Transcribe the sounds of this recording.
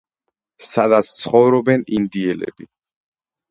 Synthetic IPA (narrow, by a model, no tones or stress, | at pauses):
sad̪at̪sʰt̪sʰχɔvɾɔbɛnind̪iɛlɛ̰bi